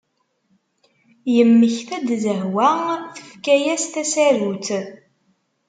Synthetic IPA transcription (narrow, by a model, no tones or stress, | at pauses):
jəmːəçθæd̪zəhwæθə̥fkæjæst̪æsæɾuθ